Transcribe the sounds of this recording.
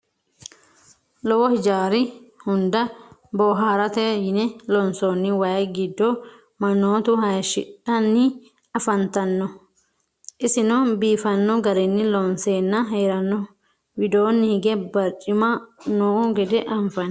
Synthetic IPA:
lɔwɔhɪd͡ʒaːɾɪhʊnd̪ɐboːɦɐːɾɐt̪ɛjɪnɛlɔnsoːnːɪwɐːɡɪd̪ːɔ | mɐnːoːt̪ʊhɐjʃɪᶑɐnːɪ | ɐfɐnt̪ɐnːɔ | ʔɪsɪnɔbiːfɐnːɔɡɐɾɛnːɪlɔnseːnːɐɦeːɾɐnːɔ | wɪd̪oːnːɪhɪɡɛbɐɾt͡ʃʼːɪmɐnoːʔʊɡɛd̪ɛʔɐɱfɐnɐ

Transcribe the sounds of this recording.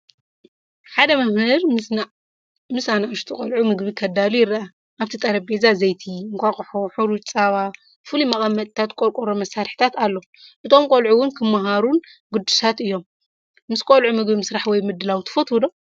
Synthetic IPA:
ħad̪ɐmɐhɨɾ | mɨsanaʃt̪ʰɨkʼɐlʕumɨɡbikʰɐd̪alujɪɾːʔa | ʔaβt̪ʰit̪ʼɐɾɐb̚bezazɐjt̪ʰiɨŋkʷʰʼaχʼħoħuɾut͡ʃʼt͡sʼaβa | fɨlimɐkʼɐmːɐt̪ʼt̪ʰat̪kʼoɾkʼoɾomɐsːaɾħi̥t̪ʰat̪alːo | ʔɨt̪ʰo̞mkʼolʕuwʊnkʰɨmːaɦaɾunɡɨd̪ːusat̪ɨjːo̞mː | ɨskʼolʕumɨɡbimɨsɾaħwɔjmɨd̪ːɨlawt̪ʰɨ̥fɐt̪ud̪o

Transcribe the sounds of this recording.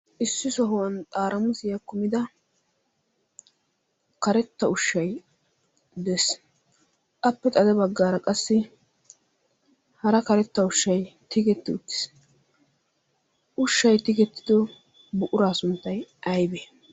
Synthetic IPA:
ʔɪsːɪsɔɦʊwɐnt̪ʼaːɾʔɐmʊsɪjɐkʊmɪd̪ɐ | kɐɾɛt̪ːɐʊʃːɐj | d̪ɛs | kʼɐpːɛt̪ʼɐd̪ɛbɐɡːaːɾɐkʼɐsːɪ | hɐɾɐkɐɾɛt̪ːɐʊʃːɐjt̪ɪɡɛt̪ːɪʊt̪ːɪ̥s | ʔʊʃːɐjt̪ɪɡɛt̪ːɪd̪ɔ | bʊʔʊɾaːsʊnt̪ːɐjʔɐjbeː

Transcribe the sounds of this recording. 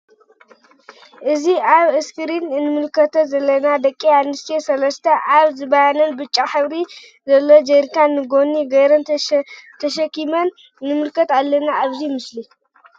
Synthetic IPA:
ʔɨziaβɨskʰɨɾinɨnɨmɨlkʰɐt̪ʰɐzɐlːɐnad̪ɐkʼːiamːɨst̪ʰesɐlɐst̪ʰɐʔaβzɨβɐhanɐnbɨt͡ʃʼːaħɨβɾi | zɐlːod͡ʒeɾkʰanːɨɡo̞niɡɐjɾɐn | t̪ʰɐʃɐkːimɐn | nɨmɨlkʰɐt̪alːɐnaːβzimɨsli

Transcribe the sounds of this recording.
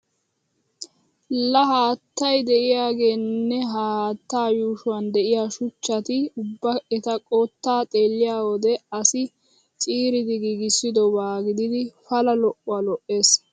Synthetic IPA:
lɐɦaːt̪ːɐjd̪ɛʔɪjaːɡe̞ːnːɛɦaaːt̪ːaːjuːʃʊwɐnd̪ɛʔɪjaːʃʊt͡ʃːɐt̪ɪʊbːɐɛt̪ɐkʼoːt̪ːaːt̪ʼe̞ːlːɪjaːwɔd̪ɛɐsɪ | t͡ʃʼiːɾɪd̪ɪɡiɡɪsːɪd̪ɔbaːɡɪd̪ɪd̪ɪfɐlɐlɔʔʊalɔʔe̞ːs

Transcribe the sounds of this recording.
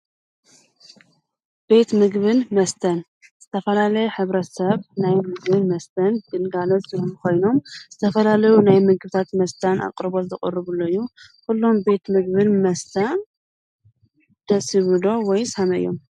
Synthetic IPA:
b̥e̞t̪mɨɡβɨnmɐst̪ʰɐn | z̥ɨt̪ʰɐfɐlalɐjħɨβɾɐt̪sɐβnajmɨɡβɨnmɐst̪ʰɐnɡɨlɡalotɨomkʰo̞jno̞mz̥ɨt̪ʰɐfɐlalɐjunajmɨɡbɨt̪ʰat̪mɐst̪ʰana̰kʼɨɾbo̞zɨχʼɨɾɨβɨlːojːukulːo̞mbe̞t̪mɨɡbɨnmɐst̪ʰan | d̪̥ɐsɨβɨlo̞wɔjsamɐɨ̰jːo̞̰m

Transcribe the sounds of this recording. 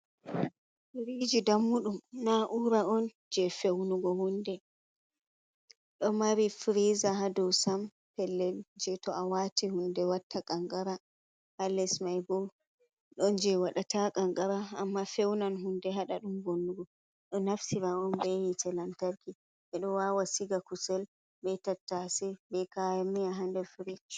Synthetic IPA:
iɾid͡ʒidamːuɗumnaʔuɾaɔn | d͡ʒɛfewnuɡɔhundɛ | ɗɔmaɾifɾizaɦadɔwsam | pɛlːɛld͡ʒɛtɔawatihundɛwatʰːakʼaŋɡaɾa | halɛsmajbɔl | ɗɔnd͡ʒɛwaɗatakʼaŋɡaɾa̰ːmːafɛwnanɦundɛɦaɗaɗumbonːuɡɔ | ɗɔnafsiɾaɔnbɛjitɛlantaɾki | ʔɛɗɔwawasiɡakusɛl | bɛtatːasɛbɛkajamːiaɦandɛfɾid͡ʒ

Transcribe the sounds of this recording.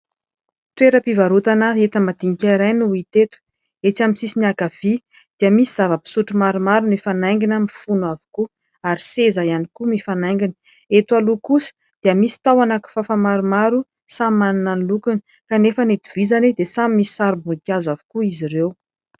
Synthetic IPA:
t̪weɾəpivaɾut̪anəet̪əmad̪̥iŋikʲaiɾajnuit̪et̪u̥ | et͡ʃamisisiniakav̥i | d̪̥iəmisiz̥avəpi̥suʈ͡ʂumaɾumaɾunifanaŋɡinəmifunuavu̥ku | aɾisezajanikumifanaŋɡinə̥ | et̪ualukusə̥ | d̪̥iəmisi̥t̪awanaku̥fafamaɾumaɾu | sammanunənlukuni̥ | kanefənet̪uv̥izanid̪esamimisi̥saɾibuikʲjazavu̥kuiziɾew

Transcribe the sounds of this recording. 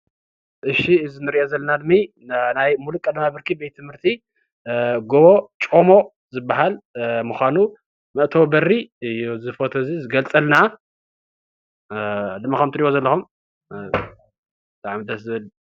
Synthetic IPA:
ʔɨʃiɨzɨnɨɾiʔozɐlːɐnad̪ɨmi | najmulukʼɐd̪ɐmabɨɾkʰibet̪ʰːɨmhɨɾt̪ʰi | ɡoβot͡ʃʼo̞mo̞ | zɨbːaɦalmuxʷanu | mɐʔt̪ʰowbɐriɨjuzɨfot̪ʰozizɨɡɐlt͡sʼɐlna | d̪ɨmːakʰɐmt̪ɨɾiβozɐlːɐxum | t̪ʰʼaʕmid̪ɐszɨβɨl

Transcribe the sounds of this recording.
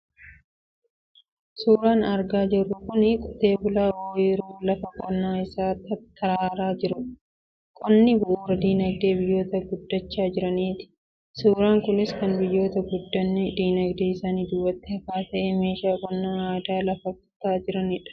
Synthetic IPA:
suːɾaːnɐɾɡaːd͡ʒɛrːʊkʊnɪkʼʊt̪e̞ːbʊlaːʔoːjɛɾuːlɐfɐkʼɔnːaːɪsaːt̪ːɐt̪ːɐɾaːɾaːd͡ʒɪɾʊ | kʼɔnːɪbʊʔuːɾɐd̪iːnɐɡ̚d̪e̞ːbɪjːo̞ːt̪ɐɡʊd̪ːɐt͡ʃːaːd͡ʒɪɾɐniːt̪ɪ̥ | suːɾaːŋkʊnɪskɐnbɪjːo̞ːt̪ɐɡʊd̪ːɐnːɪd̪iːnɐɡd̪eːɪsaːniːd̪ʊwːɐt̪ːɪhɐfaːt̪ɐʔeːme̞ːʃaːkʼɔnːaːaːd̪aːlɐfɐkɐt̪aːd͡ʒɪɾɐnɪᶑɐ̥

